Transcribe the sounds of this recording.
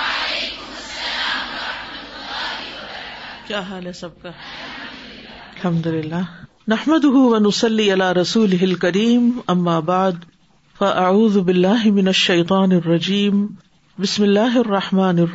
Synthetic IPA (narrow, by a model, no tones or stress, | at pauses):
kjaːɦaːlesɐb̚ka | alħamd̪ʊlɪlːaː | naħmad̪ʊɦʊwɐnʊsˤɑlːiːʔalaːɾˤɑsuːlɪɦɪlkaɾiːmʔamːaːbaʕd̪ | faʔaʕuːðʊbɪlːaːɦɪmɪnaʃːɐjt̪ˤɑːnɑrˤːɑd͡ʒiːm | bɪsmɪlːaːɦɪɑrˤːɑħmaːnɪ